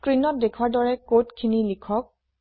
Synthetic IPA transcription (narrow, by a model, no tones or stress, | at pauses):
kɹinɔt̚dekʰwaɹdɔɹɛkotkʰinilikʰɔk̚